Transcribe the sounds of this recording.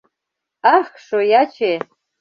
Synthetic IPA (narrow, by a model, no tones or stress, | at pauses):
axʂojat͡ʃʰe